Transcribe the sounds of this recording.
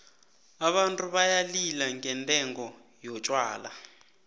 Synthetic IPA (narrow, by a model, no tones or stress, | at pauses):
aɓantʼuβajalilaŋɡɛntʼɛŋɡɔ | jɔt͡ʃʼwaːla̰